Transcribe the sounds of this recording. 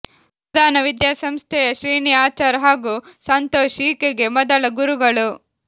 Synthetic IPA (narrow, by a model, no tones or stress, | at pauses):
d̪ʱaːnɐʋid̪jaːsɐmst̪ʰɛjɐʃɾiːnijaːt͡ʃaːɾɐɦaːɡuːsɐnt̪oːʃiːkeɡe̞mɔd̪ɐlɐɡuɾuɡɐɭu